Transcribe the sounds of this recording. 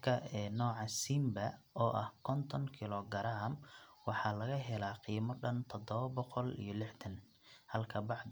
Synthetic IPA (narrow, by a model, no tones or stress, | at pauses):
kʰɐɛːnɔːʕɑsimbɐɔːʔɐ̰hkʰɔnt̪ʰɔŋkʰɪlɔɡɐɾaːmwɑħɑlɐɣɐɦɛlaːqiːmɔɖɐnt̪ʰɔd̪ɔβɐbɔqɔlḭjɞlɪħt̪ʰɐn | hɐlkʰɐbɑʕd̪